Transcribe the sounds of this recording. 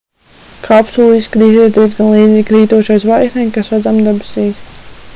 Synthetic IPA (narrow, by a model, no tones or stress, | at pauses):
kʰapsulˠiskɾiːt̪̬iɛt̪t̪iɛzɡanlˠiːd̪ziːkɾiːt̪uɔʃajsvajknʲɛjmkasɾad̪zamd̪ɛbɪ̥siːs